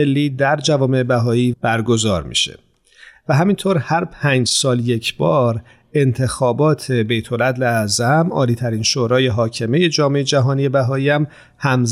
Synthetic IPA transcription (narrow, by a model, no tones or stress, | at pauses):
elːiːd̪æɾd͡ʒævɒːme̞ebæɦɒːiːb̥æɾɡo̞zɒːɾmḭːʃḛ | væɦæmint̪ʰoɾhæɾpʰæːnd͡ʒsɒːlje̞cʰb̥ɒːɾ | e̞nt̪ʰe̞xɒːbɒːt̪ʰe̞be̞jt̪ʰo̞læd̪leæzæmɒ̰ːliːt̪ʰæɾiːnʃoːɾɒːje̞ɦɒːcʰe̞me̞je̞d͡ʒɒːme̞jed͡ʒæɦɒːnije̞bæɦɒːiːæm | hæmz